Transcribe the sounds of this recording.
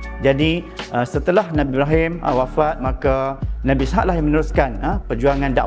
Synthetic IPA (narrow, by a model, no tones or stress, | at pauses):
d͡ʒadiʔəsət̪əlahnãbibɾaɦɪmə̰wafat̪̚makanãbisɦaʔlahjãŋmə̃nəɾuskanəpərd͡ʒuaŋãnda̰ʔ